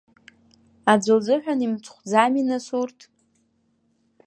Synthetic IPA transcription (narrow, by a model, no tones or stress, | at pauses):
ad͡zʷald͡zɨħᶣanimt͡sʰχʷd͡zaminasurtʰʼ